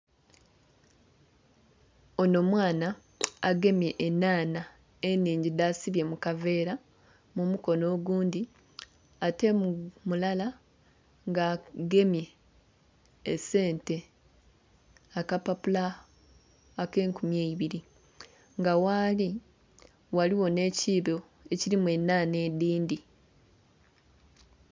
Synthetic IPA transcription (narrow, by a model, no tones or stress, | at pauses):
o̞no̞ːmwaːnaː | ɡe̞mje̞ʔːnaːna | enːiːɲɟidaːsiβje̞mukave̞ːɾa | mumuko̞no̞ːɡuːndi | ate̞mmulala | ŋɡaːɡe̞mje̞ | se̞ːnte̞ | akapapula | ke̞ːŋkumjeiβiɾi | ŋɡawaːli | waliwo̞ne̞ːciːβo | e̞ciɾimwe̞nːaːne̞ːdiːndi